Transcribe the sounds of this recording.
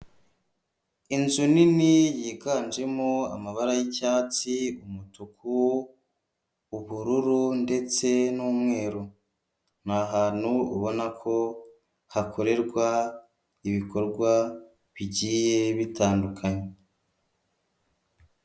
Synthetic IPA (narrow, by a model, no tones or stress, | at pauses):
inzuninijiːɡaːnd͡ʒe̞moa̰maβaɾajicaːt͡siumutukʰuw | uβuɾuɾunde̞t͡se̞nuːmŋe̞ːɾu | n̥aɦaːn̥huṵβo̞nakʰo̞ | hakʰo̞ɾe̞ɾɡwa | iβiko̞ɾɡwa | βiɟiːje̞βitaːndukʰaɲe